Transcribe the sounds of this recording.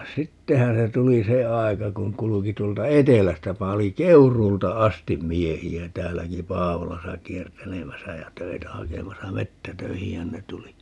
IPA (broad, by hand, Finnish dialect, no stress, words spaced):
sitːehæ̃ː se tuli se ɑi̯kɑ kuŋ kuluki tuoltɑ etelæstæ pɑli keuruːltɑ ɑstim miehiæ tæːlːæki pɑːʋolɑsɑ kiertelemæsæ jæ tøitæ hɑkemɑsɑ metːætøihihæn ne tuli